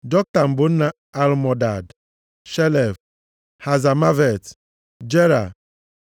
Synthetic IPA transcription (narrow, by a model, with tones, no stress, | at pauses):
dɔ˦k̚ta˨m̩˨bʊ˨n̩˦na˦ | a˨lmɔ˨da˨d | ʃɛ˦lɛ˨v | ha˨za˨ma˦vɛ˨t | d͡ʒe˦ɾa̰˨